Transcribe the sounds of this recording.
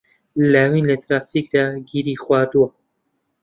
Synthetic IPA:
lawiːnlɛt̪ɾaːfik̚d̪aːɡiɾiːxwʷaːd̪uwa

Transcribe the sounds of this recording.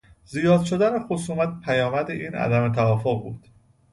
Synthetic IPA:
zijɒːd̪̥ʃo̞d̪ænexosuːmæt̪̚pʰæjɒːmæd̪eʔiːnʔæ̰d̪æme̞t̪ʰævɒːfoɣbṵːd̪̥

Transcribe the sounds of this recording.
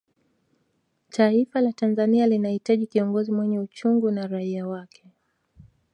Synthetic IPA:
taifalatanzanialinahitaʄikiɔŋɡɔzimwɛɲɛut͡ʃuŋɡunaɾaiawakʰɛ

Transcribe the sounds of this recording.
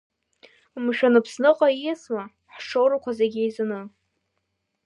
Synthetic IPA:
mʃᶣanɨpʰsnɨqʼaijasma | ħʂowɾakʷazeɡʲejzanɨ

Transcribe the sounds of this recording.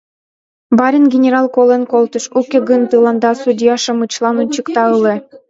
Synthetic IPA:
bɑɾʲɘ̆nɡʲenʲeɾɑlˠkolˠenkolˠt̪uʃukʲĕɡɯnt̪ɯlˠɑnd̪ɑsud̪ʲijɑʃɤ̆mɯt͡ɕlˠɑnunt͡ɕɯkt̪ɑɯlˠɘ̆

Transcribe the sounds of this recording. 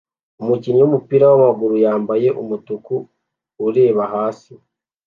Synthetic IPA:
umuciɲumupiɾawamaɡuɾujaːmbaje̞ʔumutukuː | ɾe̞ːβahaːsi

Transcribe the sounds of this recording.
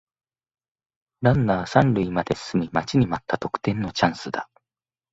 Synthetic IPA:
ɾãnːaːsãnɾɯ̟imad̪e̞sɨmʲimat͡ɕiɲ̟imat̪ːat̪o̞kɯ̟̥t̪ẽ̞nːo̞t͡ɕãɰ̃sɨd̪a

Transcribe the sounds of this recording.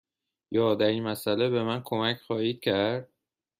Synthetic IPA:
jɒːd̪æɾiːnmæsælebe̞mænkʰo̞mæcʰxɒːhiːd̪̥̚cʰæɾɾd̪̥̚

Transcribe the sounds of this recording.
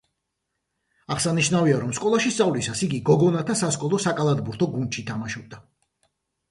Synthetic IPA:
aʁsaniʃnaviaɾɔmskʼɔlˠaʃist̪sʼavlisasiɡiɡɔɡɔnat̪ʰasaskʼɔlˠɔsakʼalˠad̪buɾt̪ʰɔɡund̪ʃit̪ʰamaʃɔb̚d̪a

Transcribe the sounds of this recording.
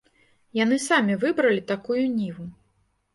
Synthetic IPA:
jan̪ɨsamʲivɨbɾɐlʲit̪akujunʲivu

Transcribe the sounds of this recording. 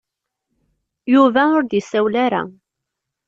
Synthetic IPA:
juvæʊɾd̪isæwlaɾa̰

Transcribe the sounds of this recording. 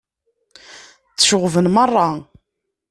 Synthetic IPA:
t͡sːə̥ʃʊʁvənmərˤːɑ

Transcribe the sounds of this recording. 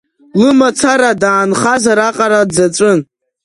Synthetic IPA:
lɨmat͡sʰaɾadaːnχazaɾaqʼaɾadd͡zaʈ͡ʂʷʼɨn

